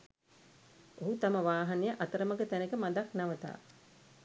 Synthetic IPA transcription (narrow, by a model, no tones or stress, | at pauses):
oɦut̪aməʋaːɦanijəʔat̪əɾəməɡət̪ænəkəmad̪aknaʋət̪a̰ː